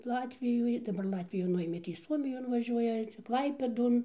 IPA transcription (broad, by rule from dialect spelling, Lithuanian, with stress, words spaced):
ˈlˠɑːtʲʋʲɪjoːj dɐˈbɐr ˈlˠɑːtʲʋʲɪjuː ˈnʊeːmʲeː tɐɪ ˈsuɔmʲɪjoːn ʋɐˈʒʲuɔjɛ ˈt͡ʃʲɛ ˈklˠɐɪpʲeːdoːn